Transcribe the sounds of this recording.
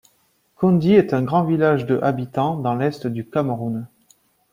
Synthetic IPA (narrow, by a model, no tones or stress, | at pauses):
kɔ̃d̪iɛt̪ɛ̃ɡʁɑ̃vilaʒd̪əʔabit̪ɑ̃d̪ɑ̃lɛst̪d̪ykamʁun